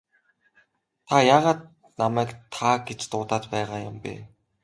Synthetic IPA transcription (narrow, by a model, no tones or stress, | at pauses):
t̪ʰajaːʁaːt̪̚ | namæːkt̪ʰaɡet͡ɕt̪ʊːt̪aːt̪pæːʁaːjʊmpḛː